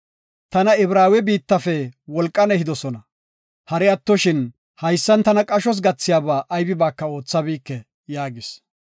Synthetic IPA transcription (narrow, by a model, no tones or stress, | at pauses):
t̪ɐnɐɪbɾaːwɛbiːt̪ːɐfɛwɔlkʼːɐnɛhɪd̪ɔsɔnɐ | hɐɾɛɐt̪ːɔʃɪn | hɐjsːɐnt̪ɐnɐkʼɐʃɔs̬ɡɐt͡sːɪjaːbaːʔɐjbɪbaːkːɐo̞ːt͡sːɐbiːkːɛ | jaːɡɪs